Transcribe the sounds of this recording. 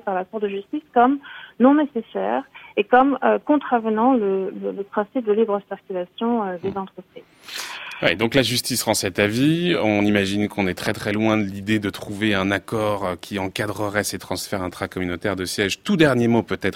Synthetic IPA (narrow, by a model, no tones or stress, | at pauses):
paʁlakuʁd̪əʒyst̪iskɔmnɔ̃nesesɛ̰ːʁekɔmøkɔ̃t̪χavənɑ̃lələləpχɛ̃sip̚d̪əlibʁəsiʁkʲylasjɔ̃ød̪ezɑ̃t̪χəpχiːzwḭd̪ɔ̃klaʒyst̪isʁɑ̃sɛt̪aviɔ̃nimaʒinkɔ̃nɛt̪χɛt̪χɛlwɛ̃d̪əlid̪ed̪ət̪χuveɛ̃nakɔʁkʲiɑ̃kad̪ʁəʁɛset̪χɑ̃sfɛʁɛ̃t̪χakɔmynot̪ɛʁd̪əsjɛʒt̪ud̪ɛʁnjemopøt̪ɛt̪χ